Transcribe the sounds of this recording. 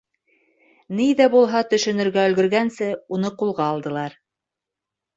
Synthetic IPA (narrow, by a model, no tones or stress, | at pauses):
niðæbulˠɦɑt̪ɵ̆ʃɵ̆nɵ̆ɾɡæɵ̆lɡɵ̆ɾɡænsɘunɤqulˠʁɑːlˠd̪ɤ̆lˠɑɾ